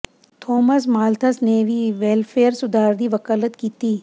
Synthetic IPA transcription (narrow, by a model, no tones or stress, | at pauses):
t̪ʰoːmɐs̬maːlt̪ʰɐsneːʋiːʋelfʰeːəɾsʊd̪ʱaːɾd̪iʋɐkaːlət̪kiːt̪iː